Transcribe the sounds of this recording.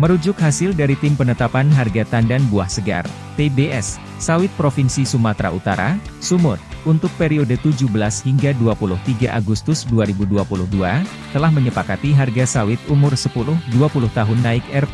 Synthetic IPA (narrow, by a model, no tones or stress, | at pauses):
məɾud͡ʒʊkhasɪldaɾit̪ɪmpənət̪apanɦarɡat̪andanbuahsəɡa̰r | t̪ebeɛsː | awɪt̪̚pɾofinsisumat̪ɾa̰ʔut̪a̰ɾa̰sumʊt̪̚unt̪ʊk̚peɾiodət̪ud͡ʒubəlashiŋɡaduapulʊht̪iɡaʔaɡust̪ʊsduaɾibuduapulʊhdua | t̪əlahməɲəpakat̪iɦarɡasawɪt̪̚umʊrsəpulʊhduapulʊht̪aɦʊnːaɪkɛrp